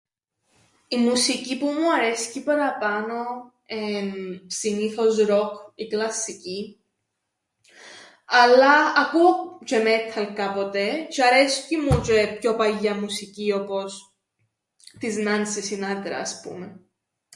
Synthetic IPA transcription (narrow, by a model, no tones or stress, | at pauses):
imusicipumuɐɾesi̥cipɐɾɐpɐno̞ | emsiniθo̞zɾokiklɐsːici | ɐlːɐːkuot͡ʃemet̪ʰːɐlkapo̞t̪e̞t͡ʃɐɾescimut͡ʃepçopɐʎːɐmusicio̞po̞s | t̪iznɐnsisinɐt̪ɾɐ̰ːspṵme